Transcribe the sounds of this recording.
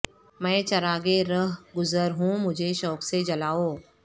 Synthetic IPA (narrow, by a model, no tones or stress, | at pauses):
mɛ̃ːt͡ʃɐɾaːɡeɾəɦɡʊzəɾɦũmʊd͡ʒʱeʃɔːksed͡ʒɐlaːoː